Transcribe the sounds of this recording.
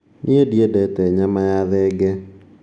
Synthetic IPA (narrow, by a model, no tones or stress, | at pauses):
nʔiediedɛtɛɲamajaðɛɡɛ